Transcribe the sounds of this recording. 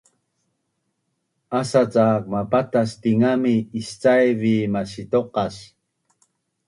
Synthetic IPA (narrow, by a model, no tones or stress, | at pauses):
asat͡saːk̚mapat̪ast̪iŋamiːst͡sajvimaɕit̪oqɑs